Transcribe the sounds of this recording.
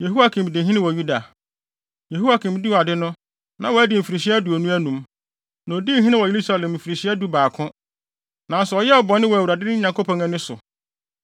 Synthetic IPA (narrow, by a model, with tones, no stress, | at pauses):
je˨ɦu˦a˦kʰɪ̃˨m˨dɪ˨ɦĩ˦nɪ̃˦wɔ˨ju˦da˨ | je˨ɦu˦wa˦kʰɪ̃˨m˦di˦wɔ˨a˨dɪ˦nʊ̃˦ | nã˨wɔ˨æ˦dɪ˨m̩˨fi˨ɾi˨ɕi˦æ˦du˨ɔ˨nũ˦æ˦nũ˨m | nã˨o˨di˦˨ɦĩ˦nɪ̃˦wɔ˨e˨ɾu˦sa˨lɛ̃˨mm̩˨fi˨ɾi˨ɕi˦æ˦du˦baː˨kʰʊ̃˦ | nã˨n˦sʊ˨ɔ˨jɛ˦ɔ˨bɔ˨nːɪ̃˦wɔ˨æ˨wu˨ɾa˨dɪ˦nɪ̃˦ɲã˨ŋkʰo˦pʰɔ̃˨ŋɛ̃˦nʊ̃˦sʊ̰˨